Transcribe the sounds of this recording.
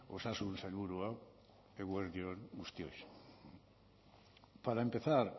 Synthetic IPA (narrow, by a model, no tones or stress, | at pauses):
osasunsaluɾua | eɣweɾðjonɡust̪jojs | paɾaempeθaɾ